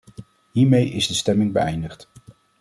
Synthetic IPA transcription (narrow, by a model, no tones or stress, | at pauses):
ɦiːɹmejʔɪzdəstɛmɪŋbəɛ̰jndəχt